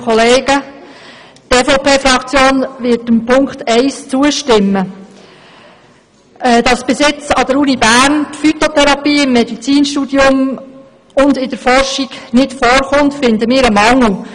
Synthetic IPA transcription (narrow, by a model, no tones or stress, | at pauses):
ɔleːɡə | teːfopeːfɾɑkt͡sjoːnʋɪtəmpʰʊŋkχt̪ɛɪst͡suəʃtɪmːə | ʔɛːd̥̪ɑsb̥ɪsɪt͡sɑd̥̪əɾunibæːɾntfyt̪ot̪ʰɛɾɑpiːɪmːɛdit͡siːnʃtuːd̥̪jʊm | ʊnd̪ɪd̥əɾfɔrʃiɡnɪdfɔːɾχʊntfɪndəmɪːɾəmɑŋl̩